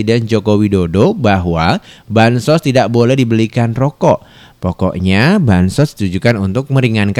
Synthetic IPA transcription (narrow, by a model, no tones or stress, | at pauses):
idɛnd͡ʒokowidodobaɦwabansɔst̪idaʔbolɛhdibəlikanrɔkɔʔ | pɔkɔ̰ʔɲabansɔsdi̥t̪ud͡ʒukanunt̪ʊk̚məɾiŋank